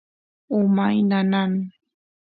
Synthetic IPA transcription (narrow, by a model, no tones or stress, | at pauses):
ʊmajnanan